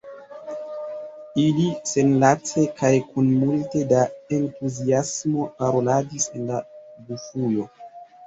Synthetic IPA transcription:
ilise̞nlat͡se̞kajkunmulte̞dae̞ntuziasmo̞paɾo̞ladise̞nlabufujo̞

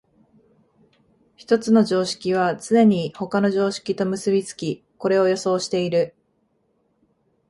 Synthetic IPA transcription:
çi̥t̪o̞t͡sɨno̞ʑo̞ːɕi̥kʲiβ̞at͡sɨne̞ɲ̟iho̞kano̞ʑo̞ːɕi̥kʲit̪o̞mɯ̟sɨbʲit͡sɨ̥kʲi | ko̞ɾe̞o̞jo̞so̞ːɕi̥t̪e̞iɾɯ̟

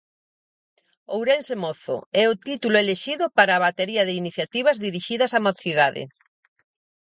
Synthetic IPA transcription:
owɾensemoθo̰ɛʊt̪it̪ulʊeleʃiðʊpaɾaːβat̪eɾiɐð̞ɪiniθjat̪iβ̞ɐzðiɾiʃiðɐsamoθiðaðɪ̰

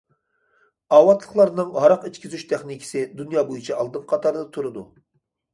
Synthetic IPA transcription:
ɑːwɑt̪ʰlˠəχlˠɑɾnɨŋhɑɾɑqit͡ʃkʲizyʃt̪ʰɛχnikʲʰɪ̥sɪd̪unjɑːbojit͡ʃʰɑɑlˠd̪ɨmqʰɑt̪ʰɑɾd̪ɑt̪ʰuɾɨd̪ṵ

